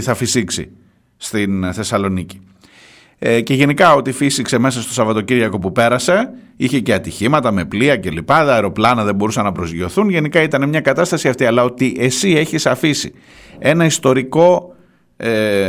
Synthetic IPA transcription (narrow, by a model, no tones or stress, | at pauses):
θɐfisiksḭ | st̪inθe̞sɐlo̞nici̥ | ce̞ʝe̞nikɐo̞t̪ifisikse̞me̞sɐst̪o̞sɐvɐt̪ociɾʝɐko̞pupe̞ɾɐse̞ | içe̞ceɐt̪içimɐt̪ɐme̞pliɐce̞lipɐðɐɐeɾo̞plɐnɐðe̞mbo̞ɾusɐnɐpɾo̞zʝo̞θunʝe̞nikɐit̪ɐnemɲɐkɐt̪ɐst̪ɐsiɐft̪iɐlɐo̞t̪iʔe̞sie̞çisɐfisḭ | e̞nɐist̪o̞ɾiko̞